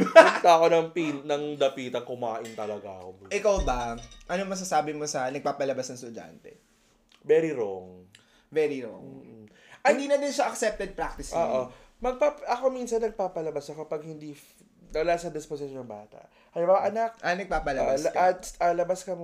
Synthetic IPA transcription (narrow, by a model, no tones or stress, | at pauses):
t̪akonɐŋpinnɐŋd̪ɐpiːt̪ɐŋkʊmaːʔɪnt̪ɐlɐɡa̰ɐ̰koʔɪkawbɐʔɐnomɐs̬asaːbɪmo̞sɐnɐɡ̚paːpɐlɐbasnɐŋst̪ʊd͡ʒa̰nt̪ɛ | vɛɾiɾoŋ | vɛɾiɾo̰mŋ | ʔɪnd̪iːnɐd̪ɪnʃaʔɐksɛp̚t̪ɛd̪̚pɾak̚t̪ɪsoːʔo | mɐɡ̚papɐkominsɐnːɐɡ̚paːpɐlɐbɐsɐkɐpɐɡ̚hɪnd̪i | nɐlasɐd̪ɪspos̬ɪʃonːɐŋba̰ːt̪ɐ̰ʔ | hɐbaɐʔɐnɐk̚ʔɐnɐɡ̚paːpɐlɐbask̪ɐlɐbaskɐm